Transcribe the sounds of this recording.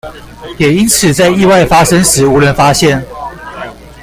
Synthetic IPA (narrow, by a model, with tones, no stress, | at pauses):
jɛ˨˩i˦nt͡sʰɹ̩˨˩t͡sa˥˧ɪi˥˧wa˥˩ɪfa˥ʂə˥ŋʂɻ̩˨˥˦u˧˥lwə˧˥nfa˦ɕjɛ˥˩n